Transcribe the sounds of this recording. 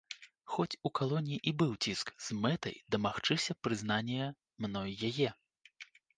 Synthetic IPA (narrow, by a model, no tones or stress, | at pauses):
xɔt͡sʲukalˠɔnʲjiʔibɨwt͡sʲiskz̥mɛt̪ɐ̰jd̪ɐmaxt͡ʂɨsʲɐpɾɨznanʲɛjɐ | mnɔjːajɛ